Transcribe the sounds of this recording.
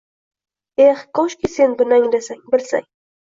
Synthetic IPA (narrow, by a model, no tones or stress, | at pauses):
eχkoʃkʲisenbɪnaŋd̪esaŋbɪlsa̰ŋ